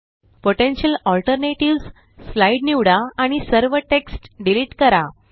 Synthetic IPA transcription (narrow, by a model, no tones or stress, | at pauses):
poʈenɕəlɔlʈəɾneʈiʋs | slaiɖniʋɽaːɽ̃isəɾʋəʈeksʈɖiliʈkəɾa